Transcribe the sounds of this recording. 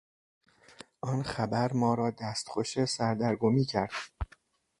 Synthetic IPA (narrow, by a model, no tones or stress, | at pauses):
ʔɒːnxæbæɾmɒːɾɒːd̪æst̪xoʃesæɾd̪æɾɡomiːcʰæɾd̪̥